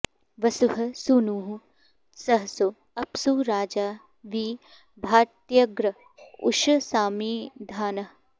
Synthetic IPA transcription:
ʋɐsuɦɐ̆suːnuːɦũ | sɐɦɐso | ɐpsuːɾaːd͡ʒaː | ʋiː | bʱaːɾt̪jɐɡɾɐ | ʊ̰ʃɐsaːmiːd̪ʱaːnɐ

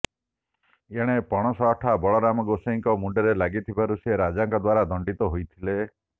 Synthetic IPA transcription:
eɽ̃epɔɽ̃ɔsɔʈʰabɔɭɔɾamɔɡoseŋkɔmuɖeɾelaɡit̪ʰibaɾuseɾad͡ʒaŋkɔd̪waɾad̪ɔɳɖit̪ɔɦojt̪ʰile

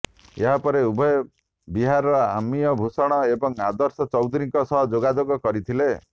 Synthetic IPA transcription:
eɦapɔɾeubʱɔe | biɦaɾɔa̰mijɔbʱusɔɽ̃ɔebɔŋad̪ɔɾsɔt͡ʃɔwd̪uɾiŋkɔsɔɦɔd͡ʒoɡad͡ʒoɡɔkɔɾit̪ʰile

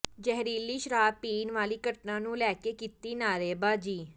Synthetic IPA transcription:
d͡ʒɛɦɾiːliːʃɾaːd̪̚piːnʋaːliːkəʈnãːnũːlɛːkeːkit̪iːnaːɾeːbaːd͡ʒiː

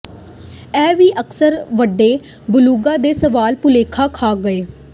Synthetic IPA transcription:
ɛːʋiːʔəksəɾʋəɖːeː | bʊluːɡãːd̪eːsəʋaːlpʊleːkʰaːkʰaːɡəeː

